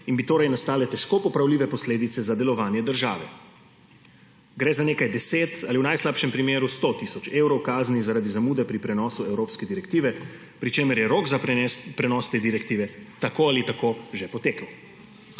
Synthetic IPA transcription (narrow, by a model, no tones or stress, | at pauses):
inbit̪oːɾajnast̪aːlɛt̪ɛʃkoːpɔpɾawliːʋɛpɔsleːd̪it̪sɛzad̪ɛlɔʋaːnjɛd̪əɾʒa̰ːʋɛ̰ | ɡɾɛzaneːkajd̪ɛseːt̪aliwnajslaːpʃɛmpɾimeːɾust̪ot̪isɔt͡ʃeːwɾɔwkaːznizaɾad̪izamuːd̪ɛpɾipɾɛnɔːsuɛwɾoːpskɛd̪iɾɛkt̪iːʋɛ | pɾit͡ʃeːməɾjɛɾoːɡzapɛnɛspɾɛnɔːst̪eːd̪iɾɛkt̪iːʋɛt̪akoalit̪akoːʒepɔt̪eːkəw